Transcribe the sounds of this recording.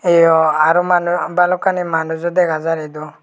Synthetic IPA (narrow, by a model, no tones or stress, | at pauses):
ɛjɔaɾɔmanbalɔkanimanud͡ʒɔd̪ɛɡazaɾɛd̪ɔ